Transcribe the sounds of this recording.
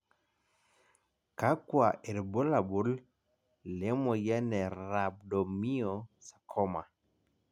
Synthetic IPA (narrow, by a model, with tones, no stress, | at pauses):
ka˦kwa˨ʔe˨ɾbo˦la˨bu˦l | le˦mɔ˨jɛ˦nɛ˨ɾa˨b̚dɔ˨mi˦ɔ˨sḁ˨kʰɔ˦ma̰˨